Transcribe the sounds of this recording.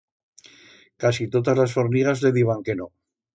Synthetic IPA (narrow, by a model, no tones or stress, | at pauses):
kasit̪oðazlasfo̞ɾniɣ̞azle̞ðiβaŋke̞no